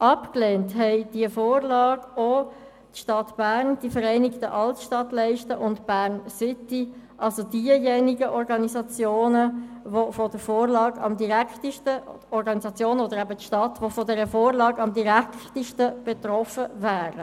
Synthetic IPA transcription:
ʔɑpkleːntɦɛɪd̥iəfoːɾlɑːɡo | tʃtɑtb̥æːɾnd̥ifəɾɛɪnɪktəʔɑltʃtɑtlɛɪʃtəʔʊntb̥æːʁnsɪtiʔɑlsodiəjɛniɡəʔɔɾɡɑnisɑt͡sjoːnəvofod̥əɾfoːɾlɑːɡɑ̰mdiʁɛktiʃtə | ɔɾɡɑnisɑt͡sjoːnod̪əɾæbətʃtɑtʋofodɛɾəfoːɾlɑːɡɑmdiʁæktiʃtəb̥et̪ɾɔfəvæːɾə

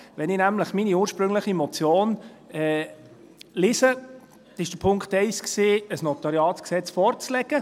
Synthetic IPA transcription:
ʋɛnɪnæmləχminiuːɾʃpɾʏŋləχimɔt͡sjoːnɛ | lɪsə | ɪʃd̥əpʰʊŋkχtɛɪsksiːəsnɔtɑɾiɑːsksɛt͡sfɔɾt͡slɛɡ̥ə

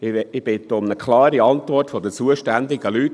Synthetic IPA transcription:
ɪɪb̥ɪt̪ːəʊmnəkʰlɑːɾiɑnt̪ʋɔrtfɔd̪ət͡suəʃtænd̪ɪɡəlyt

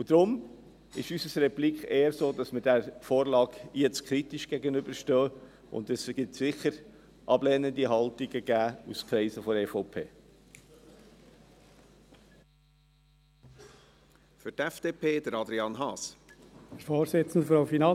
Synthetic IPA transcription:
ud̥̪ɾʊm | ɪʃysəsɾɛplikχeːəɾsoːd̥ɑsməɾd̥æɾfoːɾlɑːkjɛt͡skχɾit̪iʃɡ̥ɛɡənʏbəɾʃtœː | ʔʊ̰nd̪ɛsɡ̥ɪtsɪχəɾ | ʔɑblɛnənd̪iɦɑlt̪iɡəɡ̥æːuskʰɾɛɪsəfɔeːfoʊpʰeː | fʏɾtɛfd̥eːpʰeːd̥əɾɑd̪ɾiɑnɦɑːs | əɾfoːɾsɪt͡sn̩d̪əfafinɑ

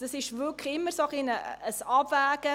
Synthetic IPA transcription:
d̥ɑsɪʃvʏkχɪmːəsɑχɪnəəsɑbvæːɡə

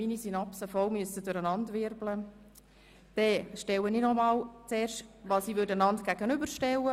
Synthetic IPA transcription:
minisinɑpsəfɔlmyəstədʊɾənɑndʋɪɾblə | d̥ɛʃtɛwəninɔmɑːlt͡sɛːɾʃtʋɑːsiːʋʏɾdənɑntɡ̥æɡənʏbəɾʃtɛlə

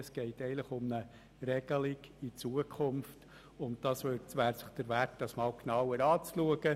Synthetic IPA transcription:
əsɡ̥ɛɪtɛɪnləχʊmnə | ɾɛɡ̥əlɪɡit͡suəkʰχʊmft | ʊnt̚d̥ɑsʋøtʋæːɾsə̥χd̥əɾʋæɾt̚d̥ɑsmɑːlknɑwəɾɑːt͡sluəɡə

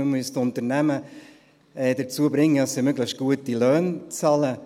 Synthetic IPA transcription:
əmystʊnt̪əɾnæmə | ɛːdəɾt͡suəbɾɪŋːədɑsimøɡləʃt̚ɡ̥uətilœːnt͡sɑːlə

